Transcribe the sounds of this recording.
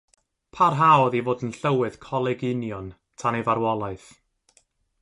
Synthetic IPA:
pʰarɦaɔðivoːdənɬəwɨð̥kʰɔlˠɛɡɪnjɔn | tʰanevaɾwɔlˠaɨθ

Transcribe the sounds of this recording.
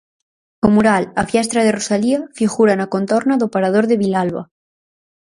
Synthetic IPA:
omuɾalafjast̪ɾaðerosaliafiɣuɾanakont̪oɾnaðopaɾað̞oɾðeβilalβa̰

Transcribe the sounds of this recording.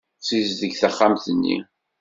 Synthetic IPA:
t͡sizðəɡθæχːamθənːḭ

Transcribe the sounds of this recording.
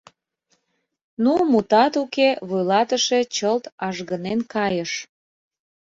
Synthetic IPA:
numut̪ɑt̪ukeβujlɑt̪əʃet͡ɕəlt̪ɑʒɣənenkɑjəʃ

